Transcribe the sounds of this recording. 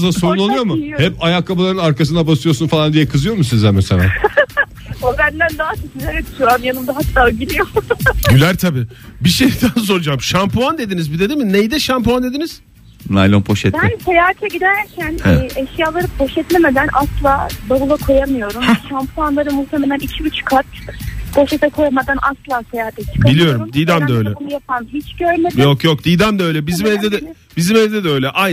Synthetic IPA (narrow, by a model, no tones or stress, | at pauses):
zassoɾunolˠujo̞mʊhɛpajakʰːabalˠaɾɯnaɾkʰas̬ɯnd̪abasɯjo̞ɾsunfalˠand̪ijɛkʰɯzɯjo̞ɾmus̬izɛmɛselʲa̰ː | obænd̪ænd̪aːat͡ʃʰisilʲeɾɛy̥ʃuamjanɯmd̪aɦat̪ːaːɟilʲijoɟylʲæɾt̪ʰabiː | biʃejd̪ans̬o̞ɾud͡ʒamʃampʰuand̪e̞d̪inizbid̪ed̪imɪnejid̪ɛʃampuand̪e̞d̪iniz̥ | na̰jlˠombʰoʃɛt̪bænsejaːt̪ʰɛɟid̪æɾcʰænɛʃjaːlˠaɾɯp̚bo̞ʃɛt̪lʲemed̪ænʔaslˠaːb̪abulˠakʰo̞jamɯjo̞ɾumʃampʰuanlˠaɾɯmult̪ʰeme̞lʲænicʰiyt͡ʃkʰat̪b̥o̞ʃet̪ʰɛkʰo̞jamad̪anʔa̰slˠaːsejaːat̪ʰɛt͡ʃʰɯ̥kʰabilʲijo̞ɾɾuɾumd̪iːd̪æmd̪aøjlʲɛonujapʰanɦit͡ʃɟøɾmedjokjokd̪iːd̪æmd̪aøjlʲɛbizimɛlʲd̪ɛd̪ɛ | bizimɛlʲd̪ɛd̪ɛø̞jlʲɛʔa